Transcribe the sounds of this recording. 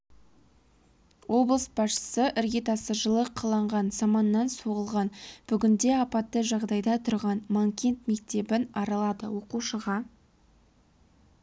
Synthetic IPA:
wo̞blˠəsb̥ɑsʃə̥səʔɪɾɡʲit̪ɑsəʒəlˠəqʰəlˠɑɴʁɑnzɑmɑnːɑnsoʁəlˠʁɑnb̥ʏɡʲɪnd̪e̞ɑpɑt̪ːəʒɑʁd̪ɑjd̪ɑt̪ʰʊɾʁɑnmaŋkʲe̞nt̪me̞kt̪e̞bɪnɑɾɑlˠɑd̪ə̰wo̞quʃəʁɑ

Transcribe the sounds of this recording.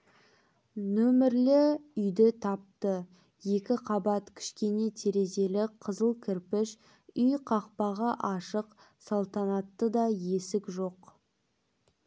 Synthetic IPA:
nɵmɪɾlɪʏjd̪ɪt̪ʰɑp̚t̪ə | je̞kʲɪqʰɑbɑt̪kʲʰɪ̥ʃkʲe̞ne̞t̪ʰe̞ɾe̞ze̞lɪqʰəzəlˠkʲʰɪɾpɪʃ | ʏjqʰɑq̚pɑʁɑʔɑʃəq | sɑlˠt̪ɑnɑt̪ːəd̪ɑje̞sɪkʒo̞q

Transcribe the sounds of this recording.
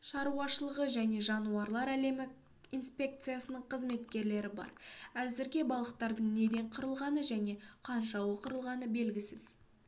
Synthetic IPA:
ʃɑɾuɑʃəlˠəʁəʒæne̞ʒɑnuɑɾlˠɑɾæle̞mɪ | inspʲe̞k̚t̪sɨjasənəɴqʰəzme̞t̪kʲe̞ɾle̞ɾɪbɑ̰ɾæzɪɾɡʲe̞bɑlˠəq̚t̪ɑɾd̪əɴne̞d̪e̞ɴqʰəɾəlˠʁɑnəʒæne̞qʰɑnʃɑwoqəɾəlˠʁɑnəbe̞lɡʲɪsɪz̥

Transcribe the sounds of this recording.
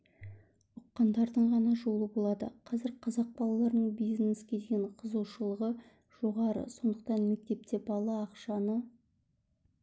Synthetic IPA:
ʊqːɑnd̪ɑɾd̪əɴʁɑnɑʒo̞lˠəbo̞lˠɑd̪ə̰qʰɑzɪɾqʰɑzɑq̚bɑlˠɑlˠɑɾənəɴbijzneskʲed̪ɡʲeɴqʰəzuwʃəlˠəʁə | ʒ̥o̞ʁɑɾə̰so̞nd̪əq̚t̪ɑnme̞k̚t̪e̞pt̪e̞bɑlˠɑːqʃɑnə

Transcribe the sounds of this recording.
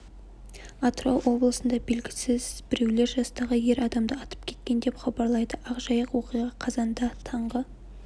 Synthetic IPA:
ɑt̪rowʔo̞blˠəsənd̪ɑbelɡʲɪsɪzbɪɾe̞wle̞ɾʒɑst̪ɑʁəje̞ɾɑd̪ɑmd̪əɑt̪ə̥p̚kʲʰe̞̥t̪̚kʲe̞nd̪e̞pχɑbɑɾlˠɑjd̪əʔɑqʒɑjəqwo̞qijʁɑqʰɑzɑnd̪ɑt̪ʰɑɴʁə

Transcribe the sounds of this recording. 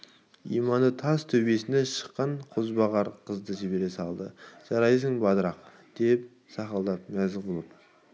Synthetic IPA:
ḭjmɑnət̪ʰɑst̪ʰɵbe̞sɪneʃə̥qːɑɴqʰozbɑʁɑɾqʰəzd̪əʒeβe̞ɾesɑlˠd̪ə̰ʒ̥ɑɾɑjs̬əɴbɑd̪əɾɑq̚ | d̪̥e̞p̚ | sɑqɑlˠd̪ɑp̚mæzɪbolˠəp̚

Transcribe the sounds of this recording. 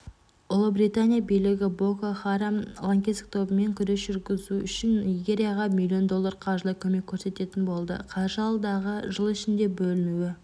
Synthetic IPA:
ʊlˠəbɾijt̪anʲijabijlɪɡʲɪbo̞koχɑɾamlˠaŋkʲesk̚t̪ʰo̞bəme̞ŋkʲʰʏɾe̞sʒʏɾɡʲɪzuʏʃɪniɡʲe̞ɾʲijaʁɑmʲilʲˠːijo̞nd̪o̞lˠːarqʰɑʒlˠəkʲʰɵme̞kʲʰːɵɾse̞t̪e̞t̪ɪnbo̞lˠd̪ə̰qʰɑʒəɑlˠd̪ɑʁəʒəlˠɪʃɪnd̪e̞bɵlɪnuɪ

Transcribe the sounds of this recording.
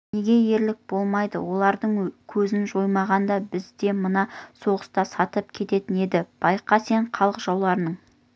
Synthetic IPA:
ne̞ɡʲe̞je̞ɾlɪk̚b̥o̞lˠmɑjd̪əwo̞lˠɑɾd̪əɴkʲʰɵzɪnʒo̞jmɑʁɑnd̪ɑbɪzd̪e̞mənɑso̞ʁəst̪ɑsɑt̪əpkʲʰe̞t̪e̞t̪ɪne̞d̪ɪb̥ɑjqɑse̞ɴqʰɑlˠqəʒɑwlˠɑɾənəɴ

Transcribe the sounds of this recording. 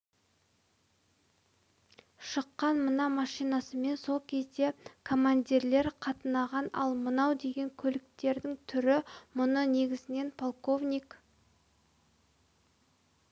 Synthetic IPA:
ʃəqːɑnmənɑmɑʃijnɑsəme̞nso̞lˠkʲʰe̞zd̪e̞kʰo̞mand̪ʲiɾle̞ɾqʰɑt̪ənɑʁɑnɑ̰lˠmənɑwd̪e̞ɡʲe̞ŋkʲʰɵlɪk̚t̪e̞ɾd̪ɪŋt̪ʰʏɾɪmʊnəne̞ɡʲɪzɪne̞npʰolˠko̞vnʲijk

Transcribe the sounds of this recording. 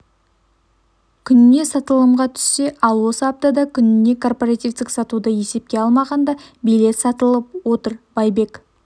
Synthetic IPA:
kʲʰʏnne̞sɑt̪əlˠəmʁɑt̪ʰʏ̥sːe̞ʔɑlˠwo̞səɑp̚t̪ɑd̪ɑkʲʰʏnɪne̞kʰo̞rporat̪ʲift̪ɪksɑt̪ud̪əje̞se̞p̚kʲe̞ɑlˠmɑʁɑnd̪ɑbijle̞t̪sɑt̪əlˠəp̚wo̞t̪əɾbɑjbe̞k

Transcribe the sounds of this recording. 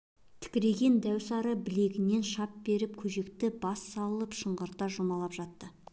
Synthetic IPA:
t̪ʰɪ̥kʲɪɾe̞ɡʲe̞nd̪æwsɑɾəbɪle̞ɡʲɪne̞nʃɑp̚be̞ɾɪp̚kʲʰɵʒe̞kt̪ɪbɑsːɑlˠəpʃəɴʁəɾt̪ɑʒʊmɑlˠɑpʒ̥ɑt̪ːə

